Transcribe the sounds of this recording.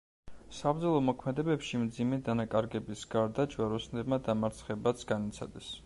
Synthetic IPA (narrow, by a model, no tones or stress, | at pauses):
sabɾd̪zɔlˠɔmɔkʰmɛd̪ɛbɛpʃimd̪zimɛd̪anakʼaɾɡɛbisɡaɾd̪ad͡ʒwaɾɔsnɛbmad̪amaɾt̪sʰχɛbat̪sʰɡ̥anit̪sʰa̰d̪ɛs